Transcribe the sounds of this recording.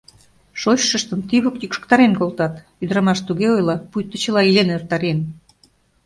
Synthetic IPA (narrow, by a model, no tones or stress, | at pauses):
ʃoɕːə̆ʃt̪ə̆mt̪iβokt̪ikʃə̥̆kt̪ɑɾenkolt̪ɑt̪ | yd̪əɾɑmɑʃt̪uɣeojlɑpujt̪ːə̆t͡ɕəlɑilenert̪ɑɾen